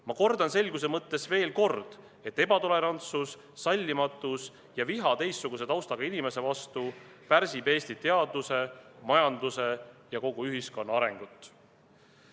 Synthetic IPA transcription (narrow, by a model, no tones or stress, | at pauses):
mɑko̞rd̪ɑnse̞lʲɡ̥use̞mɤt̪ːe̞sve̞ːlko̞rd̪̥ | e̞t̪ːe̞bɑt̪o̞le̞ɾɑnt̪susː | ɑlʲːimɑt̪ːˑus | jɑviɦɑt̪e̞jsːuɡ̥us̬e̞t̪ɑwst̪ɑɡ̥ɑinime̞se̞vɑst̪u | pæɾsibe̞ːsʲt̪it̪e̞ɑd̪use̞mɑjɑnd̪use̞jɑko̞ɡ̥uyɦisko̞nːɑɑɾe̞ŋɡ̥ut̪ːˑ